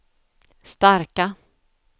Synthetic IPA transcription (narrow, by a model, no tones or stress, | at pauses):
st̪aɾka